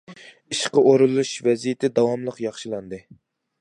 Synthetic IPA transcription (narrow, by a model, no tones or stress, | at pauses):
iʃqəʔoɾulˠuʃvɛzijɪt̪ʰɪd̪ɑwɑmlˠəqjɑχʃilˠɑnd̪ɨ